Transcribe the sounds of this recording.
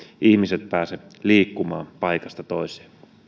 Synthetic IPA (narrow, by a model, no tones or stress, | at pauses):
ʔihmiset̪̚pæːse | liːkːumɑ̰ːmpɑjkɑst̪ɑt̪oise̥ːn